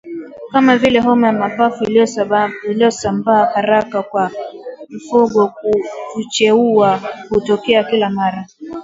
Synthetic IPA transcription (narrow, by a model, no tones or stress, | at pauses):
kamavilɛɦɔmajamapafui | iliɔsambaːhaɾakakwam̩fuɡɔkuvut͡ʃɛuahutɔkɛakilamaɾa